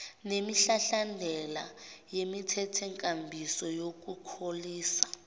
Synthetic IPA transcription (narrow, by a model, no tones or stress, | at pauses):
nemiɬaɬandʱɛla̰jemitʰɛtʰɛŋkʼambʱisɔjok̬ʼukʰoliːsḁ